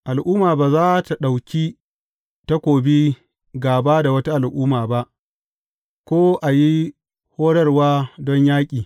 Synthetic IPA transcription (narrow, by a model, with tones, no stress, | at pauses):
ʔa˨lʔuː˦maː˨baː˨zaː˦ta˨ɗa˨wkʲi˦ | ta˦kʷoː˨bi˦ | ɡaː˨baː˦da˨wɐ˦ta˦ʔa˨lʔuː˦maː˨ba˦ʔ | kʷoː˦ʔa˨ji˦ | hoː˦ɽɐ˦rwaː˦dɔ˦ɲjaː˦kʲʼiː˨